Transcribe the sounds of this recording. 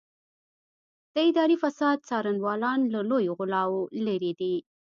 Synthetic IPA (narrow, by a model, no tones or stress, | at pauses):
d̪̥əɪd̪ɑɾifasɑd̪̚t͡sɑɾanwɑlɑnlalojoɣʊlɑwoləɾid̪i